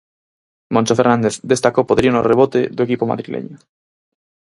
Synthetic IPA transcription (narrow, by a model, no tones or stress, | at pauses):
mõnʲt͡ʃofeɾnãnd̪eθd̪est̪akopoðɾionoreβot̪eðuekipoma̰ðɾilʔḛɲo